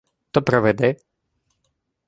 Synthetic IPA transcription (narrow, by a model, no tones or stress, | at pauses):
t̪ɔpɾɛʋɛd̪ɛ